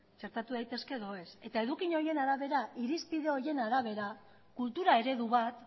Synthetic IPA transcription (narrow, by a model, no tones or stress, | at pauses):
t͡ʃe̞ɾt̪at̪uðajt̪e̞ske̞ðo̞e̞se̞t̪ae̞ðukiɲo̞je̞naɾaβe̞ɾaiɾispið̞e̞o̞je̞naɾaβ̞e̞ɾa | kult̪uɾae̞ɾe̞ðuβ̞at̪